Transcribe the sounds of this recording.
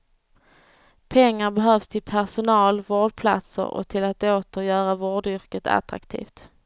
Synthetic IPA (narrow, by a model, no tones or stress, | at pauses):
pʰɛŋːaɾbɛɦœːvst̪ʰɪlpʰæʂʊnɑːlvoːɖpʰla̰t̪sə̰ɾɔ̰t̪ʰɪlat̪oːt̪əɾjœːɾavoːɖʏɾkət̪ʰa̰t̪ɾa̰kt̪ʰḭːft̪